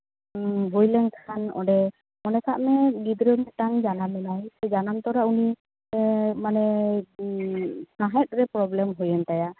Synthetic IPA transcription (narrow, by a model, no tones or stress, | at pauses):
bʱujlɛŋtʰanɔ̰ɖɛ | mɔnɛkʰaʔmɛɡid̪ɾɔmɛt̪aŋd͡ʒanamɛlajsɛd͡ʒanamt̪ɔɾauni | manɛ | saɦɛt̪̚ɾɛpɾɔblɛmɦujɛnt̪aja